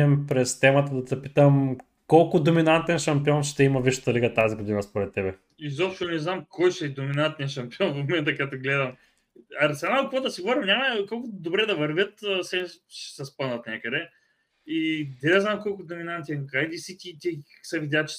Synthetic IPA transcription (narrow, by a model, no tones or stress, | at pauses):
ɛmpɾɛst̪ɛmət̪əd̪ɐt̪ɐpi̥t̪əm | kolˠkʊd̪ominant̪ɛnʃɐmpiɔnʃt̪ɛimɐviʃə̥t̪ɐliɡət̪aziɡod̪inəspoɾɛt̪ːɛbɛ | izɔpʃt̪onɛznamkojʃɛd̪ominant̪ɛnʃɐmpiɔnfmomɛnt̪əkɐt̪oɡlɛd̪ɐm | ɐɾsɛnakvoɔd̪əsiɡovoɾimnʲamɐkɔlˠkʊd̪obɾɛd̪ɐvɐɾvʲət̪əsɛnʃɛ̥sɐspənət̪nʲɛkəd̪ɛ | id̪ɛd̪ɛznamkɔlˠkʊd̪ominant̪ɛnkajd̪isik̪ʲit̪isɐvid̪ʲjat͡ʃ